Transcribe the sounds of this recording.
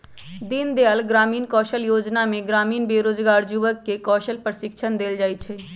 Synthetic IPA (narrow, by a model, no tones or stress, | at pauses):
d̪ɪnd̪ealɡɾaːmiːnkɔːʃəljoːd͡ʒnaːmẽɡɾaːmiːnbeːɾoːzɡaːɾd͡ʒuʋəkːekɔːʃəlpɾʃɪkʃʰənd̪eːld͡ʒaːiːt͡ʃʰɛː